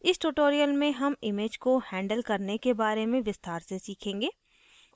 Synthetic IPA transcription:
ɪsʈuːʈoːɾijəlmẽɦɐmɪmeːd͡ʒkohɛ̃ːɳɖəlkɐɾnekebaːɾemẽʋɪst̪ʰaːɾsesiːkʰẽːŋɡeː

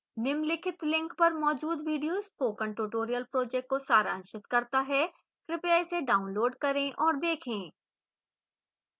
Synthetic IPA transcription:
nɪmlɪkʰɪt̪lɪ̃ŋkpɐɾmɔːd͡ʒuːd̪ʋiːɖijoːzkoːkə̃ɳʈuʈoːɾijəlpɾoːd͡ʒɛk̚ʈ̚kosaːɾãːnʃɪt̪kɐɾt̪aɦɛ | kɾɪpjaːseɖaːʊ̃nloːɖkɐɾẽʔɔːɾd̪eːkʰẽː

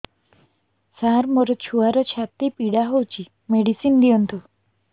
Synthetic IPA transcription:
saɾmoɾɔt͡ʃʰuaɾɔt͡ʃʰat̪ipiɽaɦowt͡ʃʰi | meɽisind̪iɔnt̪ʰu

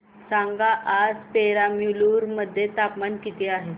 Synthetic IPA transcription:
saŋɡaʔad͡zpeɾamjuluɾməd̪ʱːjet̪apmankit̪eaɦe

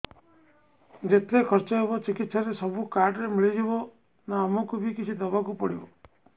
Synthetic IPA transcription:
d͡ʒet̪ʰekʰɔɾt͡ʃɔɦebɔt͡ʃikit̪saɾesɔbukaɾɖɔɾemiɭid͡ʒibɔ | naːmɔkubikit͡ʃʰid̪ɔbakupɔɽibɔ

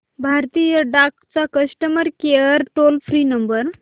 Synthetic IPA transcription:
bʱaɾt̪ijəɖakt͡sakəsʈəməɾkeəɾʈolfʰɾinəmbəɾ

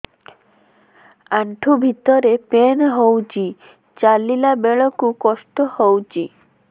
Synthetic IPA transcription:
aɳʈʰubʱit̪ɔɾepenɦowt͡ʃi | t͡ʃalilabeɭɔkukɔsʈɔhowt͡ʃi

